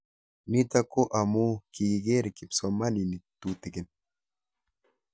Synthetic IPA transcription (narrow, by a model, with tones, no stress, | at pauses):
ni˦t̪a˦ko˦ʔa˨mu˦ki˨ɡi˨ɡe˦ɾkɪ˨pso˨ma˦ni˨ni˨t̪u˨t̪i˨ɡɪ˨n